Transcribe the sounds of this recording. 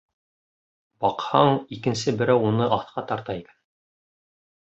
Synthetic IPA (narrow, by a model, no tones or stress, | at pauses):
b̥ɑqhɑɴikɘ̆nsɘbɘ̆ɾæwunɤʔɑθqɑt̪ɑɾt̪ɑjkæ̥n